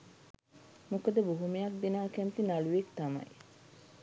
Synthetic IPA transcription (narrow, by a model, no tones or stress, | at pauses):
mokəd̪əboɦumejak̚d̪inaːkɛmt̪inaluʋekt̪ama̰j